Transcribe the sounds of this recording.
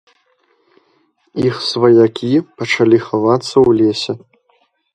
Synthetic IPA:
ixsvɐjakʲʰipɐt͡ʂalʲixavat̪sːɐwlʲesʲɛ

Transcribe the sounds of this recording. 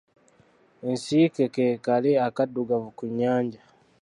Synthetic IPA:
ensiːkekeːkaleakaduɡavukuɲːaːɲɟa

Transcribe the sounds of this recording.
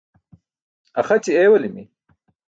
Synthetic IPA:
ɐxɐt͡ɕieːwɐlimi

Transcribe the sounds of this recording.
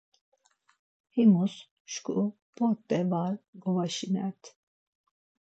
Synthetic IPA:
himus | ʃkʰṵ | pʰɔɾt̪ːɛvaɾɡɔwaʃinɛt̪ʰ

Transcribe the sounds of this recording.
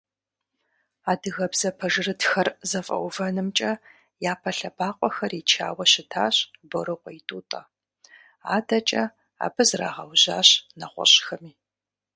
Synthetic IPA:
aːdɨɣɐbzɐpʰɐʒɨrɨtxɐrzɐfʼɐ̰wvɐnɨmt͡ʃʼɐ | jaːpʰɐɬɐbʰaːqʷʼɔxɐrit͡ʃʰa̰ːwɐɕɪtʰaːɕboɾɨqʷʼɔitʼuːtʼɐ | aːdɐt͡ʃʼɐ | a̰ːbɨzra̰ːʁɐwʑaːɕnɐχʷɔ̰ɕxɐmiː

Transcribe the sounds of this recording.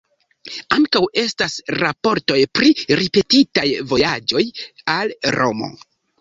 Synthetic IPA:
aŋkawe̞stasɾapo̞ɾto̞jpɾiɾipe̞titajvo̞jad͡ʒo̞jalɾʔo̞̰mo̞̰

